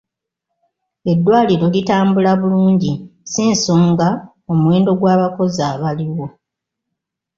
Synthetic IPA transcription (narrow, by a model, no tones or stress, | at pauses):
e̞dːwaːliɾo̞litaːmbulaβuluːɲɟisiːnsoːŋɡa | o̞mwe̞ːndo̞ɡwaːβako̞zaːβaliwo̞